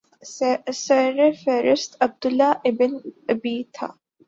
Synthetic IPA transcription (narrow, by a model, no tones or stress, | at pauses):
sɛɾəfɛːɾɪst̪ɐb̚d̪ʊlːaɪbɪnɐbiːt̪ʰa̰ː